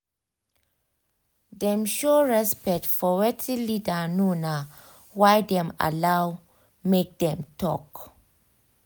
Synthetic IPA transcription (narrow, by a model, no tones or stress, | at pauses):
dɛ̃mʃoɹɛspɛk̚tfɔwɛtʰilidanuna | wajdɛ̃ma̰law | mek̚dɛ̃mtɔ̰k